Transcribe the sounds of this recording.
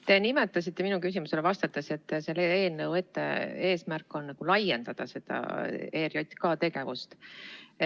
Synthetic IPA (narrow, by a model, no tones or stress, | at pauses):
t̪e̞nime̞t̪ːˑɑs̬it̪ːˑe̞minukys̬ʲimuse̞levɑst̪ɑt̪ːˑɑse̞t̪ːselee̞ːlnɤwe̞t̪ːḛe̞ːsmærkːˑo̞nːɑɡ̥ulɑjend̪̥ɑd̪̥ɑse̞d̪̥ɑ̰e̞ːɾjot̪ʲːkɑt̪e̞ɡ̥e̞vust̪